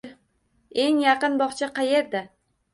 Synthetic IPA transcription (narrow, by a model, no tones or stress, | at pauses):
e̞ŋjɑqɨnbɒχt͡ʃʰaqʰɑje̞ɾd̪a